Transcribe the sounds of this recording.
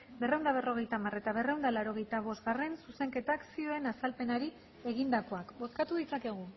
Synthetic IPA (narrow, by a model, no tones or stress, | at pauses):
be̞rewnd̪aβ̞e̞ro̞ɣ̞e̞jt̪amare̞t̪aβe̞rewnd̪alaɾo̞ɣ̞e̞jt̪aβ̞o̞zt̪ɣare̞nsuse̞ŋke̞t̪aksio̞e̞nasalpe̞naɾi | e̞ɣind̪ako̞akbo̞skat̪uðit͡sake̞ɣ̞u